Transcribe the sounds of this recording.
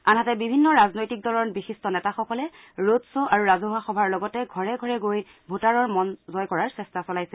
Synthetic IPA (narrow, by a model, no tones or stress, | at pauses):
anɦatɛbibʱinːɔɹaznojtik̚dɔɹɔnbixistɔnɛtaxɔkɔlɛ | ɹotsoʔaɹuɹazoɦwaxɔbʱaɹlɔɡɔtɛɡʱɔɹɛɡʱɔɹɛɡoj | bʱutaɹɔɹmɔnzɔjkɔɹaɹsɛstasɔlajsɛ